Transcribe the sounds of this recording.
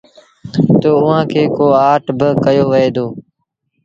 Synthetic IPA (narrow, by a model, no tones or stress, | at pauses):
t̪oːʊɦãːkʰeːkoːaːʈbɪkəjoːʋəeːd̪oː